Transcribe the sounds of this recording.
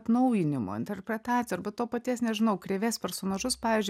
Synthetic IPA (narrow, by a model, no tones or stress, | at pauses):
t̪nɐʊjɪnʲɪmo̰ːɪ̰nʲt̪ʲɛɾʲpʲɾʲɛt̪ɑːt͡s̪ʲsʲɪjoɾbɐtt̪oːpɐt̪ʲiɛsnʲɛʒʲɪnɐʊkɾʲeʋʲespʲɛɾsonɐʒʊspɑːʋʲiːzʲd͡ʒ